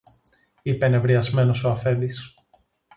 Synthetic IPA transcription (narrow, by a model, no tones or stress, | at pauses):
ipe̞ne̞vɾiɐzme̞no̞so̞ɐfe̞nd̪is